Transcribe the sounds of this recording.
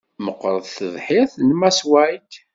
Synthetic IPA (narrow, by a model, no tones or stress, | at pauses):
məqːɾˤəðθəðˤħɪθˤnmæswæjt̪